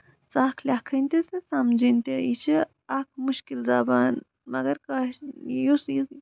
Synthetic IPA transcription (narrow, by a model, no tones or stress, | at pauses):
saːkʰlʲaːkʰɐnʲt̪esesamd͡ʒinʲt̪ejit͡ʃʰi | ak̚ʰmuʃkild͡zaːbaːn | mɐɡɐɾkaʃjusji